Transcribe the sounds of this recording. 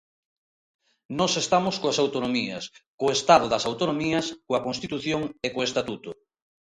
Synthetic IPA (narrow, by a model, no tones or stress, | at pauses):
nɔsest̪amoskoasawt̪onomiɐskoest̪aðoðɐsawt̪onomiɐskoɐkonst̪it̪uθjoŋekoest̪at̪ut̪o